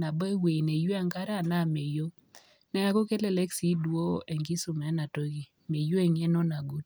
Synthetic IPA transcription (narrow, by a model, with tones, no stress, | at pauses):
na˨bɔ˦e˦we˨ne˨jwa˦˨ŋɡa˦ɾa˦˨na˦˨me˨jo˦ | nɛ˦a˦ko˦ke˦le˦˨le˦ksi˦dwo˦ʔe˨ŋɡi˦su˨mɛ˨˦na˨to˦ɡi˨ | me˨jo˦e˨ŋe˦no˦na˨ɡu˦t̚